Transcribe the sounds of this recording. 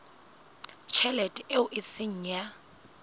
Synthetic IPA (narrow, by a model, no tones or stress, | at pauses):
t͡ʃʰɛlɛtʼeʊʔɪsɪŋ̩ja